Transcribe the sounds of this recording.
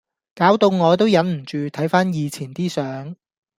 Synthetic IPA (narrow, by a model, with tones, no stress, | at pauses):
kaː˨˥wt̪o˧wŋɔː˨˧t̪o˥wjɐ˨˥nm̩˨˩t͡ʃyː˨t̪ʰɐ˨˥jfaː˥njiː˨˧t͡sʰiː˨˩nt̪iː˥sœː˨˥ŋ